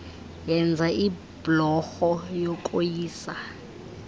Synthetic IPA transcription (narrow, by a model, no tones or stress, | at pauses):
jɛnd͡zʱai | blɔxɔjɔkʼojiːsa